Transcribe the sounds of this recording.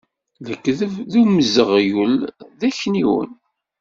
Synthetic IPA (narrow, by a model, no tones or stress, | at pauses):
ləkːððuməzəʁjəlðæçniwə̰n